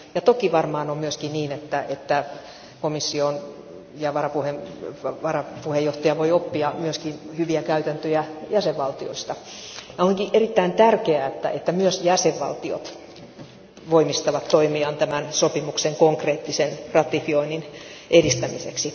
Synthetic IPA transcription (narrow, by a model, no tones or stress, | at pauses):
jɑt̪okiʋɑrmɑːnommyøskinniːnet̪ːæʔet̪ːæ | komisːion | jɑʋɑrɑpuhemʋɑrɑpuhejoht̪ɑjɑʋoiopːiɑmyøskinhyʋiækæyt̪ænt̪øjæjæseʋʋɑlt̪io̰ist̪ɑjɑoŋkiʔerit̪ːæint̪ærkeæet̪ːæ̰ʔet̪ːæmyøsjæseʋʋɑ̰lt̪io̰t̪ | ʋoimist̪ɑʋɑt̪t̪oimiɑnt̪æmænsopimukseŋkoŋkreːt̪ːisenrɑt̪ifioinːinʔedist̪æmḭsḛksi